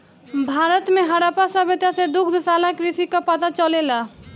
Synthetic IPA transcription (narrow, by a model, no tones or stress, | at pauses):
bʱaːɾət̪mẽɦaɾapasəbet̪jased̪ʊkʰd̪salakɾisikapat̪at͡ʃəlela